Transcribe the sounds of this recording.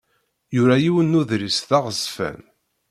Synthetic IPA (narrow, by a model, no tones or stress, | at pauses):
jʊɾæjiwənːuðɾisθaʁzfæ̰n